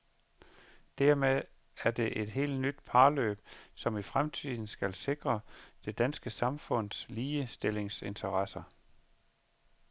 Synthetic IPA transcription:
d̥æɐ̰meðˠ | æɐd̥e̝ʔe̝d̥ɦe̝̰ːld̥nyd̥̚pʰɑ̈ːlø̰ːb̥̚sɒ̽mifʁamt͡sʰið̰ˠn̩sɡ̥ælse̝ɡ̥ʁɐd̥e̝d̥ænsɡ̥əsɑ̈mfɔ̽n̰sliːəsd̥e̝le̝ŋse̝nt͡sʰɐʁɑsɐ

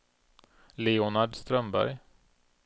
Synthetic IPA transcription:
leːʊnaɖst̪ɾœmbæ̰ɾj

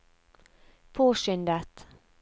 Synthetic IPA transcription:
pʰoːʃʏnd̪ət̪

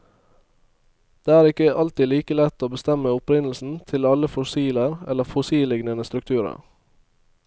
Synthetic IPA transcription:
d̪̥eːæːɾɪkəʔɑlt̪iːliːkəlɛt̪oːbəst̪ɛməʊpɾɪnl̩sn̩t̪ʰɪlɑləfɔsiːləɾɛləfʊsiːlɪɡnənəst̪ɾʉk̚t̪ʰʉːɾə̰ɾ

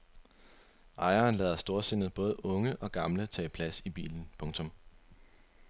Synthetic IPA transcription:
ʔɑ̈ɪɐːnlɛ̰ːð̞ˠɐsd̥o̝ɐse̝nð̩ˠb̥ɔ̽ːð̞̩ˠʔɔ̽ŋəʔɒ̽ɡ̥ɑ̈mlət͡sʰɛ̰ːpʰlæsib̥ḭːln̩pʰɔ̽ŋt͡sʰɔ̽m

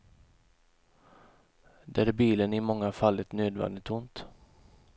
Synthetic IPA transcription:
d̪ɛæɾbiːlənɪmɔŋːafalːət̪nøːd̪vɛ̰nd̪ɪt̪ʊnt̪

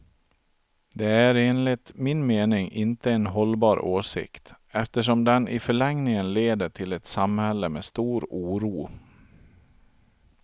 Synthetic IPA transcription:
d̪ɛæɾeːnlɪt̪mɪnmeːnɪŋʔɪnt̪əɛnɦɔlbɑːɾʔoːʂɪ̰kt̪ | ɛft̪əʂ̬ɔmd̪ɛnʔɪ̰fœɭɛŋnɪŋənleːd̪əʈʰɪlɛt̪samhɛlːəmeːst̪uːɾuːɾuː

